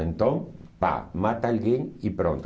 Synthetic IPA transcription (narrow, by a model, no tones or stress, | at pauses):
ent̪õŋpa̰mat̪alɡeŋipɾont̪